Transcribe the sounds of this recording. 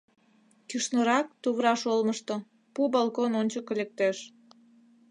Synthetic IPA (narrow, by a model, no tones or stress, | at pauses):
kyʃnoɾɑk̚t̪uβɾɑʃolməʃt̪o | pubɑlˠkononʲt͡ɕəkːolʲek̚t̪eʃ